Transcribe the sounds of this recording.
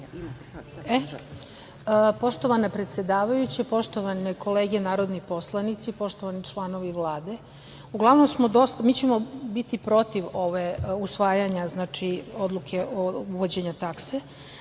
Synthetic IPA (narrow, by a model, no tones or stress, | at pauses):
e | po̞ʃt̪o̞ʋanapɾe̞t̪sʲje̞d̪aːʋajut͡ɕepo̞ʃt̪o̞ʋaneko̞leːɡenaːɾo̞d̪nipo̞slˠanit̪sipo̞ʃt̪o̞ʋanit͡ʂlˠano̞ʋiʋlˠaːd̪e̞ | uɡlˠaʋno̞msmo̞d̪o̞st̪amiːt͡ɕemobit̪ipɾo̞t̪iʋo̞ʋeusʋaːjaɲaznaːt͡ʃio̞d̪lukʰe̞ʔouʋod͡ʑe̞ɲat̪akse